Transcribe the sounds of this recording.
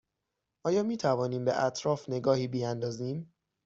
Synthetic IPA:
ʔɒːjɒːmiːt̪ʰævɒːniːmbḛʔæt̪ʰɾɒːfne̞ɡɒːhiːbiænd̪ɒːziːm

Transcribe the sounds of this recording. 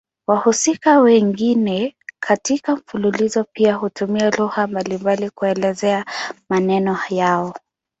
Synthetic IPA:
wahusikawɛŋɡinɛkʰatikam̩fululizɔpiaɦutumialuhambalimbalikuɛlɛzɛamanɛnɔhajaɔ

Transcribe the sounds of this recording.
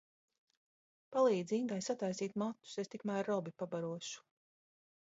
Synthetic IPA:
palˠiːd̪zind̪ajsat̪ajsiːt̪mat̪ːu̥sest̪ikmæːɾːɔbipabaɾuɔʃu̥

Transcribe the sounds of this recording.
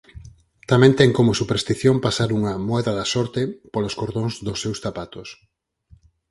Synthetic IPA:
t̪amɛ̃nt̪ɛŋkomosupeɾst̪iθjompasaɾuŋɐmoɛðɐðɐsɔɾt̪epoloskoɾðoŋzðosːewsθapat̪os

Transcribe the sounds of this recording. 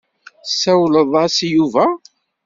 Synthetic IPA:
sæwləðˤæsjuvæ

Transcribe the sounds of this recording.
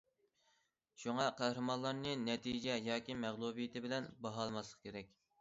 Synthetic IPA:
ʃuŋɑqʰæhɾɨmɑnlˠɑɾnɨnɛt̪ʰid͡ʒɛjɑːkʲimæʁlˠubijɪt̪ʰɪbɪlɛnbɑɦɑlˠmɑslˠəqkʲʰeɾɛk̚ʲ

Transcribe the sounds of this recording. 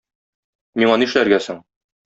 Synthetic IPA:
miɴɒnɤĭʃlæɾɡæsɘɴ

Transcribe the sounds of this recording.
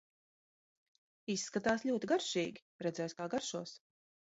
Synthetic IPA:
isːkat̪aːslʎʲuɔt̪iɡaɾʃiːɡʲi̥ | ɾɛd̪zɛjskaːɡaɾʃuɔs

